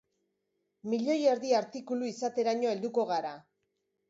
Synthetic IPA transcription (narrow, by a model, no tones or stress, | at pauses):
miʎo̞jeɾðiaɾt̪ikuluisat̪e̞ɾaɲoe̞ld̪uko̞ɣaɾa